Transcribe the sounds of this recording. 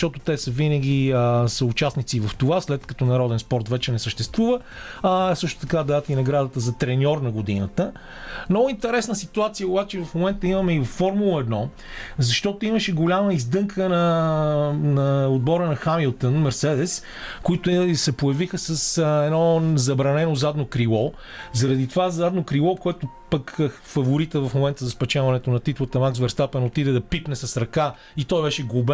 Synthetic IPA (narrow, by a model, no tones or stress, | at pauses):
t̪ɔt̪ʊt̪ɛsəvinəɡ̟ʲiəsəʊt͡ʃasnit̪sivɐft̪ovaslɛt̪kɐt̪ɔnɐɾɔd̪ɛnspɔɾt̪vɛt͡ʃɛnɛsəʃt̪ɛst̪vuvə | sɤʃt̪ʊ̥t̪ɐkad̪aət̪inɐɡɾad̪ət̪əzɐt̪ɾɛnʲɔɾnɐɡʊd̪ḭnət̪ə | nɔint̪ɛɾɛsnəsit̪uat̪sijəʊbat͡ʃɛvɐfmomɛnt̪əimɐmɛivɐfːɔɾmulˠəɛd̪nɔ | zɐʃt̪ɔt̪ʊiməʃɛɡolʲaməizd̪ɤŋkʰənɐ | nɐod̪̚bɔɾənɐxamilˠt̪ənmɛɾsɛd̪ɛs | koit̪ʊsɛpʊjɐvixəsəsɛnɔzɐbɾɐnɛnozad̪nokɾilˠɔ | zɐɾɐd̪it̪ovazad̪nokɾilˠɔkoɛt̪o | pək | fɐvʊɾit̪əvɐfmomɛnt̪əzɐspɐt͡ʃavɐnɛt̪onɐt̪it̪lˠət̪ɐmaksvɛɾst̪apɛnot̪id̪ɛd̪ɐpipnɛsɐsɾɐka | it̪ɔjbɛʃɛɡlˠʊb